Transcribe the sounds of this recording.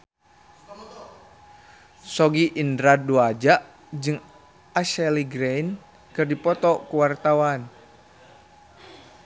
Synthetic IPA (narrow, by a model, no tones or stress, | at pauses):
sɔɡiʔindɾaduad͡ʒaʔ | d͡ʒɨŋ | aʃɛliɡɾen | kɨrdipɔt̪ɔkuwart̪awan